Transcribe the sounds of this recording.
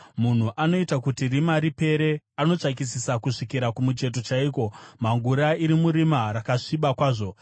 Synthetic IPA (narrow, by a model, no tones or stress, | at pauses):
mun̤uʔano̞itakutirimaɾipe̞ɾe | ano̞t͡ʂak̬isisakuʂikiɾakumut͡ʃe̞t̬o̞t͡ʃaiːko̞maŋɡuɾaiɾimuɾimaɾakaʂiɓakwaːʐo̞